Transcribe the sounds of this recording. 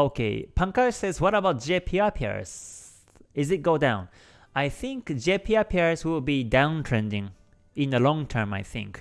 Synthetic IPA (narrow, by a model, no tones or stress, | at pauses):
okʰḛpʰãŋkasɛzwʌɾəbaʊt̚d͡ʒepʰiapʰia̰ɹz̥ | ɪzɨt̚ɡ̥oʊdãʊ̃n | aɪθɪ̃ŋkd͡ʒepʰiapʰiaɹzwɪlbidãʊ̃ntʰɹɛ̃ndɪ̃ŋ | ɪ̃nəlɔ̃ŋtʰɜ̃˞ma̰ɪθɪ̰̃ŋk